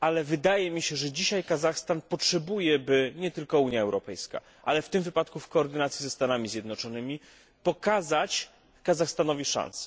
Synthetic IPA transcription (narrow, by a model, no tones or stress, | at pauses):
alɛvɘd̪ajɛmʲiɕɛʐɛd͡ʑiɕajkazaxst̪anpɔtʂɛbujɛbɘɲɛt̪ɘlkɔuɲjaɛwɾɔpɛjska̰ | ʔalɛft̪ɘmvɘpat̪kufkɔːɾd̪ɘnat̪sʲjizɛst̪anamʲizʲjɛd̪nɔt͡ʂɔnɘmʲi | pɔkazat͡ɕ | kazaxst̪anɔvʲiʂã̰nsɛ̥